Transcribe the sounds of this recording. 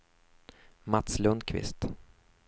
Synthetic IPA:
mat̪slɵnd̪kʰvɪ̰st̪

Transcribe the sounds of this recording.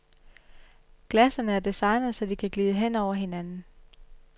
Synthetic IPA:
ɡ̥læsɐnəæɐd̥isɑ̈ɪnð̩ˠsɒ̽d̥ikʰæɡ̥liːðˠəɦen̰ɒʊ̰ɐɦe̝nænn̩

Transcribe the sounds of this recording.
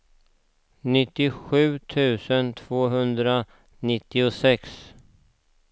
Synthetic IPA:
nɪt̪ːɪɧʉ̟ːt̪ʰʉ̟ːsənt̪ʰv̥oːɦɵnd̪ɾa | nɪt̪ːɪʊsɛks

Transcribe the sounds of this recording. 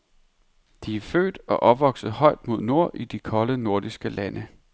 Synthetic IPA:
d̥iæɐfø̰ːd̥ɒ̽ʔɒbʋɒ̽ɡ̥sð̩ˠhɒ̽ɪd̥mo̝ð̞̰ˠno̝ɐ̰ʔid̥ikʰɒ̽ləno̝ɐ̰d̥isɡ̥əlænʔə

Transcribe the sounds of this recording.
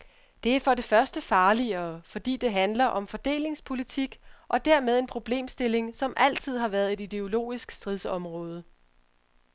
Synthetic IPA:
d̥e̝æɐfɒ̽ɾe̝fɶɐsd̥əfɑ̈ːliɐːfɒ̽d̥ḭːd̥e̝ɦænlɐʔɒ̽mfɒ̽d̥e̝̰ːle̝ŋspʰo̝lit͡sʰiɡ̥ʔɒ̽d̥æɐmeð̞ˠe̝npʰʁo̝b̥le̝̰ːmsd̥e̝le̝ŋsɒ̽mʔæl̰t͡sʰið̞̰ˠɦɑ̈ʋæɐð̞̩ˠe̝d̥id̥e̝o̝lo̝̰ːisɡ̥sd̥ʁiðˠsɒ̽mʁɔ̽ːð̞ˠə

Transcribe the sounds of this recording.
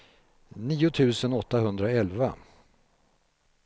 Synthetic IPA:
niːʊt̪ʰʉ̟ːsənɔt̪ːaɦɵnd̪ɾaɛlva

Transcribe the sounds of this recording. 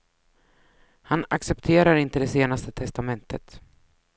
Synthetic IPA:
hanaksɛpt̪ʰeːɾaɾɪnt̪əd̪ɛseːnast̪ət̪ʰɛst̪amɛnt̪ʰə̰t̪

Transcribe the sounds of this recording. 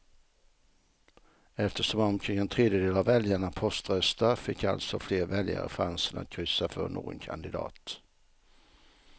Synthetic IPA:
ɛft̪əʂɔmɔmkʰɾɪŋɛnt̪ʰɾeːd̪jəd̪eːlavɛljaɳapʰɔst̪ɾœst̪afɪkːa̰lt̪sɔfleːɾvɛlja̰ɾə̰fɾansəna̰t̪̚kʰɾʏsːafœɾnːo̰ːɡɔ̰nkʰa̰nd̪ɪd̪ɑ̰ːt̪

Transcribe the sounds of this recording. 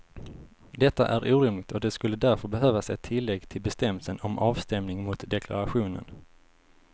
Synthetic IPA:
d̪ɛt̪ːa̰ʔæɾʔuːɾɪmlɪɡ̚t̪ʰɔd̪ɛskɵlːəd̪æɾfœɾbɛɦøːvasɛt̪ʰːɪlːɛɡt̪ʰɪlbɛst̪ɛmːəlsənɔmɑːvst̪ɛmnɪŋmʊt̪d̪ɛkʰla̰ɾaɧuːnə̰n

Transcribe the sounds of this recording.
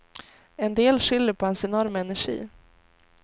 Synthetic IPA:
ɛnd̪eːlɧʏlːəɾpʰɔhɛnsɛnɔɾmɛnæʂḭː

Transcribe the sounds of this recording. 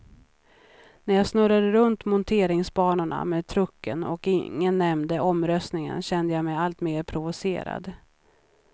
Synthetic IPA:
næɾjɑːsnɵɾad̪əɾɵnt̪mʊnt̪ʰeːɾɪŋsbɑːɳaɳa̰meːd̪̚t̪ʰɾɵkːənɔkɪŋːənːɛmd̪əʔɔmɾœst̪nɪŋə̰nɕɛnd̪əjamɛjalt̪meːɾpʰɾʊvʊsḛːɾa̰d̪

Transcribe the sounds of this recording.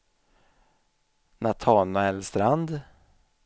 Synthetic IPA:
nat̪ʰɑːnaɛlst̪ɾand̪

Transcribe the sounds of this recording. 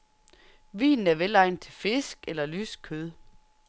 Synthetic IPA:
ʋḭːnn̩æɐʋelɑ̈ɪnt͡sʰe̝lfe̝sɡ̥elɐlyːskʰøð̞ˠ

